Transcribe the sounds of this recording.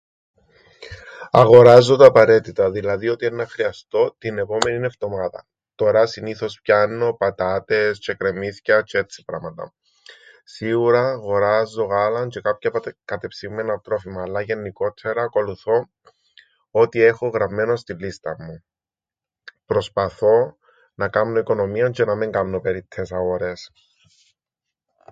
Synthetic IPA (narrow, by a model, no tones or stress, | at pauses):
ɐɣo̞ɾɐzːot̪ɐːpɐɾe̞t̪it̪ɐðilɐðio̞t̪ienːɐxɾiɐst̪o̞t̪ine̞po̞me̞nine̞ft̪o̞mɐðɐ̰ | t̪o̞ɾɐsiniθo̞spçɐnːo̞pɐt̪ɐt̪e̞st͡ʃe̞kɾemiθcɐt͡ʃet̪t͡sːi̥pɾɐmɐt̪ɐ̰ | siɣuɾɐːɣo̞ɾɐzːo̞ɣɐlɐnce̞kɐpçɐkɐt̪epsimːenɐt̪ɾo̞fimɐːlːɐʝe̞nːiko̞t̪ʰːe̞ɾɐːko̞luθo̞ | ot̪ie̞xoɣɾɐvːeno̞st̪ilːist̪ɐmːu | pɾo̞spɐθo̞ | nɐkɐmno̞iko̞no̞miont͡ʃe̞nɐmiŋɡɐmno̞pe̞ɾit̪ʰːesɐoɾes